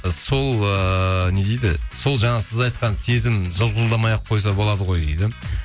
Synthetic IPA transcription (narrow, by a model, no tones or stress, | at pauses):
so̞lˠəned̪ejd̪ɪ̰so̞lˠʒɑɴɑsɪzɑjt̪qɑnse̞zɪmʒəlˠʁʊzlˠd̪ɑmɑjɑqʰːo̞js̬ɑbo̞lˠɑd̪əʁo̞jd̪ḛjd̪ɪ